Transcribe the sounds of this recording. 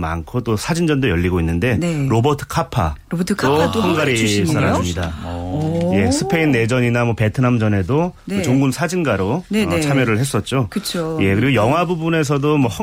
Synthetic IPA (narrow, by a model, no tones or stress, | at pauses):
ma̰nkʰot͈osʰad͡ʑind͡ʑʌndojʌʎːiɡoinːɯnde̞ɾobʌtʰɯ̥kʰapʰa̰tʰt͈ohʌŋɡaɾisʌnasɯmɲida | je̞sʰɯ̥pʰe̞inːe̞d͡ʑʌɲinamwʌpe̞tʰɯnamd͡ʑʌne̞doɯt͡ɕoŋɡunsʰad͡ʑinɡaɾont͡ɕʰamjʌɾɯɭhe̞s͈ʌt̚t͡ɕ͈okɯt͡ɕʰoje̞kɯɾiɡojʌŋɦwabubune̞s̬ʰʌdomwʌhʌ